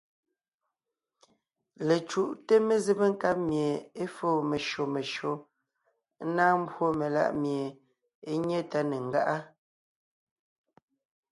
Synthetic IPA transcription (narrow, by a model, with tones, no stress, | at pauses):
le˨t͡ʃu˦˨ʔte˦me˨ze˦˨be˦ŋ̩˦ka˦p̚mje˨e˦foː˦˨me˨ʃo˨me˨ʃo˨˦ | naː˦m̩˦bwo˦me˨la̰˦ʔmje˨ | e˦ɲe˦ta˦ne˨ŋ̩˨ɡa̰˦ʔa˦